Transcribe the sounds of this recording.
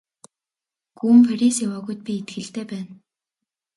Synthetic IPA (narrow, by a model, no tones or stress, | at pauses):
ɡ̥uːmpʰaɾʲisawaːɣujt̪̚pʲiːt̪̚ɡɘ̆ɬt̪eːpæːn